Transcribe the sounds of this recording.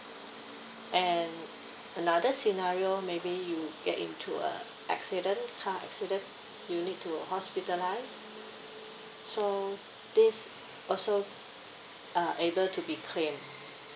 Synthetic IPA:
ʔɛ̃n | ənadəsinaɹiomebijuɡɛtḭ̃ntʰuə̰ | ʔɛ̰ksidə̃nkʰaʔɛ̰ksidə̃n | junit̚tʰːuhɔspitəlaɪs | so | dis | ɔlso | aʔebəltʰubikʰlẽm

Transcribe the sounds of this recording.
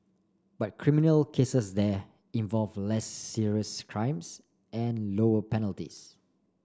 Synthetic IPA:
bat̚kʰɹiminəlkʰesəsdɛ | ĩnvɔlvlɛsːiɹiəskʰɹãɪ̃ms | ʔɛ̃nloəpɛnəltḭs

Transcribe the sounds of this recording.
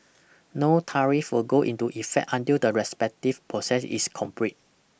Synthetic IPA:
notʰaɹifwilɡoʔḭ̃ntuʔifɛ̰k̚tãntildəɹɛspɛk̚tifpʰɹosɛsḭskʰɔ̃mpɹit̚

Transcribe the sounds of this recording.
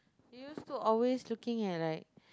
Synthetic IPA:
hijustuʔɔlweslukɪ̃ŋɛt̚laɪk̚

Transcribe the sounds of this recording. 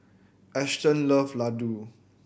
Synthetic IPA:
ʔɛstə̃nləfladu

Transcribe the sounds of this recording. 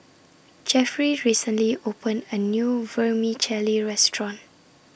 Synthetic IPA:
d͡ʒɛfɹiɹisə̃nliʔopə̃ndənjuvəmit͡ʃʰɛliɹɛstʰɹɔ̃n

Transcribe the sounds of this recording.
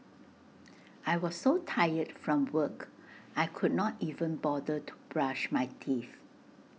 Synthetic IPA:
ʔajwɔsːotʰajətfɹɔ̃mwəkajkʰud̚nɔtivə̃nbɔdətʰu̥b̥ɹaʃmajtʰif

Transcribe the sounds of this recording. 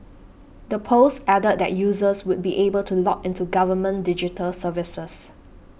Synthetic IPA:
dəpʰosɛdət̚dɛ̰t̚juːzəswʊd̚biʔebəltʰulɔkɪ̃ntuɡavəmə̃ndɪd͡ʒitʰəlsəvɪsəs

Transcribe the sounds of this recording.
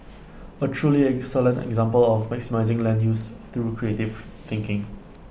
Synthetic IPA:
ətʰɹuliɛksələ̃ntɛ̰ɡzãmpəlɔfmɛksimaɪzɪ̃ŋlɛ̃njust̪ɹukɹietivθɪ̃ŋkɪ̃ŋ

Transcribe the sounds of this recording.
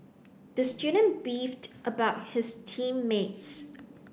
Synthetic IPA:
d̥əstjudə̃nb̥iftʔəbaʊt̚hɪstʰĩmːets

